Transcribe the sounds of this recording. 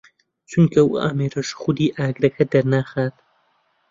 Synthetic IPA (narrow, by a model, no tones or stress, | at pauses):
t͡ʃʰunkʰɐw̰a̰ːmeːɾɐʃxʊd̪iːʔaːɡɾɐkʰɐd̪ɐɾnaːxaːt̪̚